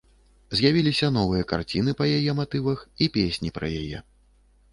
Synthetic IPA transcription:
zʲjavʲilʲisʲɐnɔvɨjɐka̰rt͡sʲin̪ɨpɐjajɛmat̪ɨvɐxipʲesʲnʲipɾɐ̰ja̰jɛ̰

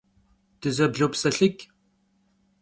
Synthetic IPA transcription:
d̥ɨzɐbɮowpsɐɬɪkʲ

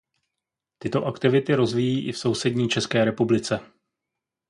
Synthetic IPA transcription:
t̪ɪt̪o̞ʔakt̪ɪvɪt̪ɪɾo̞zviːjiːʔɪfso̞wsɛdɲiːt͡ʃɛskɛːɾɛpublɪt͡sɛ

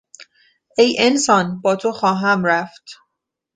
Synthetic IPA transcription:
ejensɒːnbɒːt̪ʰoxɒːɦæmɾæft̪

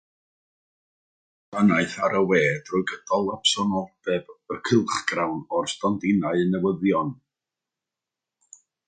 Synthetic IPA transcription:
d̥anaɨθaɾəweːd̥rɔjɡəd̥ɔlˠapsɔnɔlˠd̥ɛbərkʰɪlˠχɡ̥rawnɔrstɔndɪnaɨənɛwəðjɔn

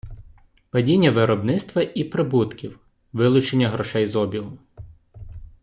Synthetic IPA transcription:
pɐdʲinʲːɐʋɪɾɔbnɪt̪st̪ʋɐʔipɾɪbut̪kʲiw | ʋɪlˠʊt͡ʃenʲːɐɦɾɔʃɛjzɔbʲilˠʊm

